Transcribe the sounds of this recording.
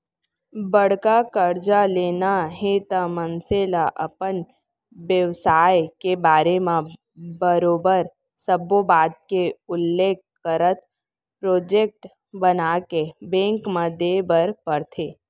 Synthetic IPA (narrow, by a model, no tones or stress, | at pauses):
bəɽ̤kakəɾd͡ʒaleːnaɦet̪amənselaʔɐ̰pən | ʋjəʋsaːjkebaːɾemã | bəɾoːbəɾ | səbobaːd̪̚keʊlːeːk | kəɾət̪ | pɾoːd͡ʒeːk̚ʈ | bənakebẽːŋkmãd̪ebəɾpəɾt̪ʰeː